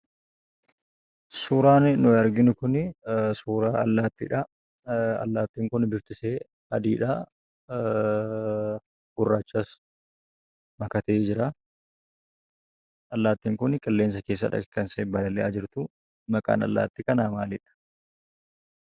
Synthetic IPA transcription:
suːɾaːnnʊɐɾɡɪnʊkʊnsuːɾaːɐlːaːt̪ːḭᶑɐ | ɐ̰lːaːt̪ːiːŋkʊnbɪft̪ɪseː | ɐd̪iːᶑɐ | ɡ̥ʊrːaːt͡ʃːaːs | mɐkɐt̪eːd͡ʒɪɾa | ɐlːaːt̪ːiːŋkʊnkʼɐlːe̞ːns̬ɐkeːs̬ːɐ̰ᶑɐ̰kkːɐnseːbɐlɐlɛʔaːd͡ʒɪɾt̪ʊ | mɐkʼa̰ːnɐ̰lːa̰ːt̪ːikɐnaːmaːlɪᶑɐ̥

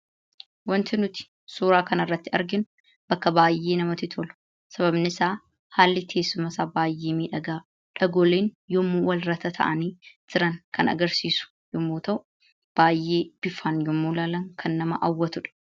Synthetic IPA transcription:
wɐnt̪ɪnʊt̪ɪ̥ | suːɾaːkɐnɐrːɐt̪ːɪɐ̰ɾɡɪnʊ | b̥ɐkːɐbaːjːe̞ːnɐmɐt̪ɪt̪ʰolʊ̥ | sɐβɐbnɪsaː | haːlːɪk̪ʰe̞ːsːʊmɐsaːbaːjːe̞ːmiːᶑɐɡaː | ᶑɐɡoːleːnjɔmːuːwɐlɾɐt̪ɐt̪ʰɐ̰ʔɐ̰niːt̪ɪɾɐŋkɐnɐ̰ɡɐɾsiːsʊ̥ | jʊmːuːt̪ɐʔʊ | b̥aːjːeːb̥ɪfaːnjʊmːuːlaːlɐŋkʰɐnːɐmɐʔɐwːɐt̪ʊᶑɐ̥

